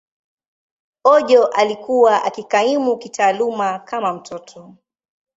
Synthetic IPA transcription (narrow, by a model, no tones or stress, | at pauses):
ɔʄɔʔalikuwaʔakikaimukitaːlumakamam̩tʰɔtʰɔ